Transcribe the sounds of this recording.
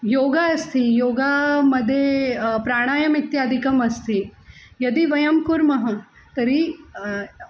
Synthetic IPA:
joːɡaɐst̪ʰijoːɡamɐd̪ʱːjepɾaːɽ̃aːjɐmit̪jaːd̪ʱikɐmɐst̪ʰijɐd̪iʋɐjɐmkuɾmɐɦɐ | t̪ɐɾi

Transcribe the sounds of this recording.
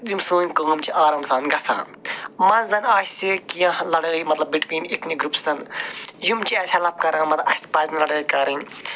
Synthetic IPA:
zimsuːnʲkəːmt͡ʃʰiʔaːɾɐmsaːnɡɐt͡sʰã̰ː | mɐnzɐnaːsikijãɦlɐɽəːjimɐt̪lɐb̚ːiʈʋiːnit̪ʰniɡɾupsɐnjumt͡ʃʰiɐsʲɐlɐp̚kɐɾãːmɐt̪ɐsʲspɐːznlɐɽəːkɐɾɨn

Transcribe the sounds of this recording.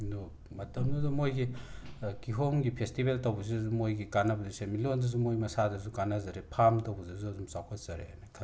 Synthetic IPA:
nɔ | mɐtɐmdudɔmojɡi | kiɦoŋɡipʰestibeltɐwbus̬izumojɡikanabuzisemilondɐzumojmɐsadɐzukanazaɾepʰamtɐwbuzazuɐzumsawkʰatz̥aɾḛanakʰa

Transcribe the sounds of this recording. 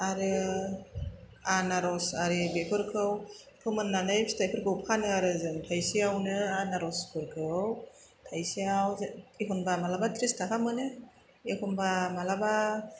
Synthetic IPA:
aɾɯ | anaɾɔsaɾɯbepʰɯɾkʰɯw | kʰɯmɯnːanajpstʰajpʰɯɾkʰɯwpʰanɯaɾɯzɯŋtʰajsiawnɯanaɾɔskʰɯɾkʰɯw | tʰajsiawekʰɔnbamalabatʰɾistʰakʰamɯnɯ | ekʰɔnbamalaba

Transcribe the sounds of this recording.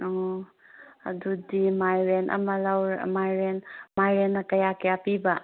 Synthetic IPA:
ɔ | ɐ̰dudimajɾenʔɐ̰mɐlawɾmajɾenmajɾenːɐkɐjakɐjapibɐ

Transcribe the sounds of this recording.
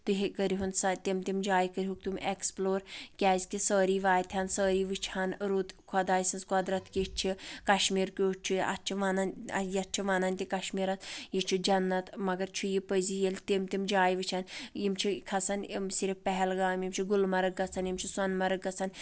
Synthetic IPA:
t̪ɨɦikəɾiɦunsɐt̪imt̪imd͡ʒaːjkəɾʲiɦukt̪umeksploːɾkʲaːzʲkisəːɾiːʋaːjt̪ʲʰɐnsəːɾiːʋɨt͡ʃʰɐnɾut̪kʰɐd̪aːjsɐnzkɔd̪ɾɐt̪ʰkit͡ʃʰikɐʃmiːɾkut͡ʃʰuɐ̰t͡ʃʰiʋanɐnjɐt̪̚t͡ʃʰiʋanɐnʲt̪ʲikɐʃmiːɾɐnjit͡ʃʰid͡ʒɐnːɐt̪mɐɡɐɾt͡ʃʰujipəzijelʲt̪imt̪imd͡ʒaːjʋɨt͡ʃʰɐnjimt͡ʃʰikʰɐsɐnimsiɾifpɛɦɛlɡaːmjimt͡ʃʰiɡulmɐɾɨk̚ɡɐt͡sʰɐnjimt͡ʃʰisɐnmɐɾɐk̚ɡɐt͡sʰɐn

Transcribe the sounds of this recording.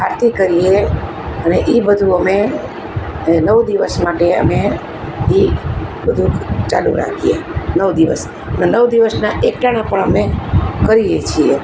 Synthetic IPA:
aɾt̪ikəɾije | əneʔibəd̪ʱuəme | nəʋd̪iʋəsmaʈeə̰me | ibəd̪ʱut͡ʃalṵɾa̰kʰijḛnəʋd̪iʋəs | nnəʋd̪iʋəsnaʔek̚ʈanapəɳəmekəɾijet͡ʃʰie

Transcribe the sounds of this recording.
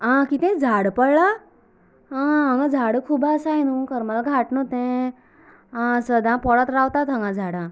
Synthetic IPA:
ãkit̪ɛ̃d͡zʱaɽpəɽɭa | ɦə̃ŋɡad͡zʱaɽəkʰubasajnũkəɾmalɡʱaʈnot̪ẽ | səd̪ʱãpɔɽət̪ɾawt̪at̪ɦãŋɡãd͡zʱaɽã

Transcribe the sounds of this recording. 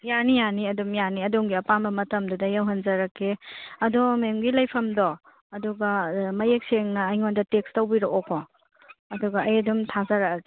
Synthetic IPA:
janijaniɐdumjaniɐduŋɡiɐpambɐmɐtɐmdudɐjɐwɦɐnzɐɾɐkʰːeɐdumemɡilɐjpʰɐmdɔ | ɐduɡɐmɐjek̚seŋnɐːjŋondɐtek̚stɐwbiɾookʰːɔ | ɐduɡɐɐjɐdumtʰazɐɾakke

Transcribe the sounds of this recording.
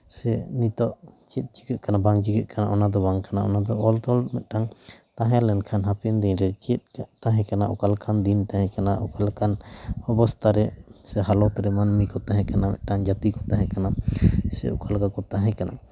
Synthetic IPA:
sɛnit̪ɔʔt͡ʃɛt̪̚t͡ʃi̥kəʔ̪̚kanabaŋt͡ʃikəʔ̪̚kana̰ʔɔnad̪ɔbaŋkanaʔɔ̰nad̪ɔʔɔlt̪ɔlmɛt̪̚ˀʈaŋt̪ãɦɛ̃lɛnkʰanɦapɛnd̪iɲɾɛt͡ʃɛt̪̚t̪ãɦɛ̃kanaʔɔkalkʰand̪int̪aɦɛ̃kanaʔɔkalkanɔbɔst̪ʰaɾɛsɛɦalɔt̪ɾɛmanmikɔt̪ãɦɛ̃kanamɛ̰ʔ̪̚ˀʈaŋd͡ʒat̪ikɔt̪ãɦɛ̃kanasɛ̰ṵkalkakɔt̪aɦɛ̃kanʔa̰

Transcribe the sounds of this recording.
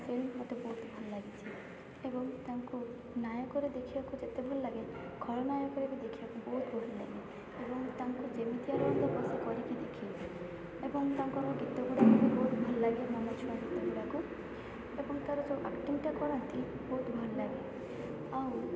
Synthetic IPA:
selmɔt̪ebɔɦut̪bʱɔlɔlaɡit͡ʃʰi | ebɔŋt̪aŋku | najɔkɔɾed̪ekʰibakud͡ʒet̪ebʱɔlɔlaɡeɡʱɔɭɔnajɔkɔɾekid̪ekʰibakubɔɦut̪bʱɔɦilaɡi | ebɔŋt̪aŋkud͡ʒemit̪iaɾɔɔnd̪ɔpɔsekɔɾikid̪ekʰi | ebɔŋt̪aŋkɔɾ̃kɔɡit̪ɔɡuɽakɔkubɔɦut̪bʱɔlɔlaɡiɔmɔnɔt͡ʃʰuɽ̃ɔɡit̪ɔɡuɽaku | ebɔŋt̪aɾɔd͡ʒɔʔa̰kʈimʈakɔɾɔnt̪i | bɔɦut̪bʱɔlɔlaɡe | aũ

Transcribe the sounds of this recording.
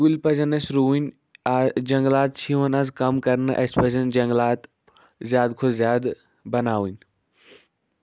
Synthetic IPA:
ulpɐzɐnɐsɾuːin | d͡ʒɐ̃ŋɡlaːt̪̚t͡ʃʰiʋənazkɐmkɐɾnʔɐ̰spɐzənd͡ʒɐ̃ŋɡlaːt̪ | zjaːd̪kʰozzjaːd̪ | bɐnaːʋin

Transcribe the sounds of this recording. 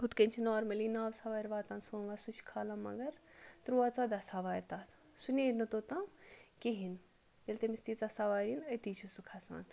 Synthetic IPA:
ɦut̪kɐnt͡ʃʰinɔːɾmɐlinaːʋsaʋaːɾʋaːt̪ãːnsoːnʋaːsut͡ʃʰkʰaːlãːmɐ̰ɡɐɾt̪ɾuaːt͡sad̪ɐsaːʋaːjɾt̪aːt̪ | suneɾnɐt̪oːt̪ãkiɦin | jelt̪ɐmist̪iːt͡sɐsaʋaːɾinɐt̪it͡ʃʰusukʰasa̰ːn

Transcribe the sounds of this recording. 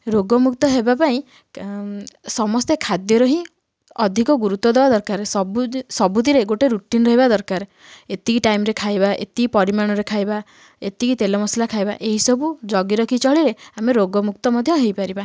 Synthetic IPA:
ɾoɡɔmukt̪ɔɦebapaĩ | sɔmɔst̪ekʰad̪jɔɾɔɦĩ | ɔd̪ʱikɔɡuɾut̪wɔd̪ebad̪ɔɾkaɾesɔbusɔbud̪ʱiɾeɡoʈeɾuʈinɾɔɦibad̪ɔɾkaɾe | et̪ikiʈajmɾekʰajbaʔḛt̪iipɔɾimaɽ̃ɔɾekʰajba | et̪ikit̪elɔmɔslakʰajba̰ʔeɦisɔbud͡ʒɔɡiɾɔkʰit͡ʃɔɭiɾeameɾoɡɔmukt̪ɔmɔd̪ʱjɔɦejpaɾiba

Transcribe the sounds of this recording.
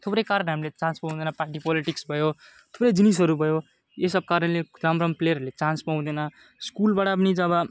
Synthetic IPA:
t̪ʰopɾʌjkaɾʌnɦamilet͡sãnspaw̃d̪enʌpaʈipɔliʈiksbʱʌjo | t̪ʰoprʌjd͡zinis̬ʌɾubʱʌjo | esʌb̚kaɾʌnleramɾʌmpleɾɾlet͡sãnspaw̃d̪ʌnʌ | skulbaʈap̬ʌnit͡sʌbʌ

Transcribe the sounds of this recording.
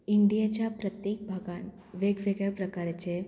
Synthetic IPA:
iɳɖijat͡ɕapɾɐt̪jeːk̚bʱaɡaːn | ʋeɡʋeɡjapɾɐkaːɾət͡ʃe

